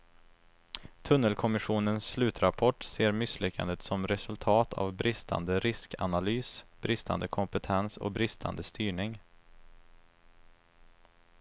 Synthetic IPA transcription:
t̪ʰɵnːəlkʰɔmɪɧuːnənsːlʉ̟ːt̪ɾapʰɔʈːseːɾmɪslʏkːa̰nd̪ət̪sɔmɾɛsɵlt̪ʰɑːt̪ʰa̰vbɾɪst̪ʰa̰nd̪əɾɪskanalyːsb̥ɾɪst̪a̰nd̪əkʰɔmpət̪ʰɛnsɔ̰bɾɪst̪ʰa̰nd̪əst̪yːɳɪŋ

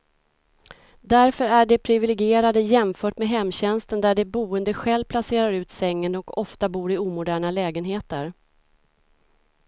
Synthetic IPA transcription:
d̪æɾfœɾæɖɛpʰɾɪvɪlɪɡɪeːɾad̪əjɛmfœːʈmeːɦɛmːɕɛnst̪ənd̪æɖɛbuːənd̪əɧɛlpʰlaseːɾaɾʉ̟ːt̪sɛŋːənɔkɔft̪abuːɾɪuːmʊd̪æːɳalɛːɡənɦeːt̪əɾ

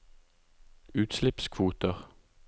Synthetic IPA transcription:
ʉːt̪slɪpskʰʋuːt̪əʁ

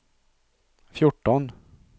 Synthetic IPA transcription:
fjʊʈːɔn

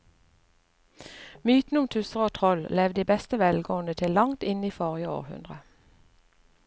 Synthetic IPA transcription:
myːt̪n̩ʊmt̪ʰʉsəʁoːt̪ʰʁɔllɛʋd̪iːbɛst̪əʋɛlɡoːənət̪ʰɪlːɑŋt̪ɪniːfɔʁjəo̰ːʁhʉ̰nd̪ʁə

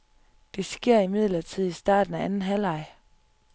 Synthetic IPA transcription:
d̥e̝sɡ̥e̝ɐ̰imið̞̰ˠlɐt͡sʰið̰ˠisd̥ɑ̰̈ːd̥n̩æʔænn̩ɦælɑ̈ɪ

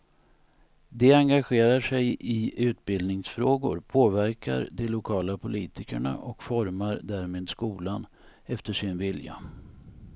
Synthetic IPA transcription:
d̪ɛaŋɡaɧeːɾaʂɛjɪʉ̟ːt̪̚bɪld̪nɪŋsfɾoːɡʊ̰ɾpʰoːvæɾkʰa̰ɾd̪ɛlʊkʰɑːlapʰʊliːt̪ɪkə̰ɳa̰ʔɔkfɔɾmaɾd̪æɾmeːd̪skuːlan | ɛft̪əʂɪnvɪlja̰

